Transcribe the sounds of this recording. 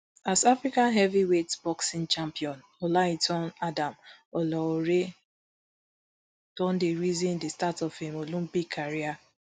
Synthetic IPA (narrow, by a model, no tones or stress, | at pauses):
asafɾikanɦɛviwetb̥ɔksĩnt͡ʃãmpiɔn | ɔlaitɔnadamɔlɔoɾe | d̥ɔ̃ndeɾizĩndistatɔfemolũm̩biɡkʰːaɾia